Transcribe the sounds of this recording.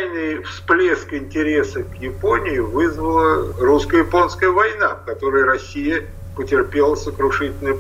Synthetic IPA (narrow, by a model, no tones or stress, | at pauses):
jnɨjfsplʲeskɪnʲtʲɪɾʲe̞səkjɪponʲɪjʊvɨzvəlˠəruskəjɪpo̞nskəjəvɐjnafkɐt̪o̞ɾəjɾɐsʲijə | pətʲɪrpʲe̞lˠəsəkɾʊʂɨtʲɪlʲnəj